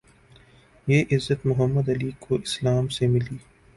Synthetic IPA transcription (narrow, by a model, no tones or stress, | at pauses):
jeːʔɪzːət̪mʊɦəmːəd̪ɐliːkʰoɪslaːmsemɪliː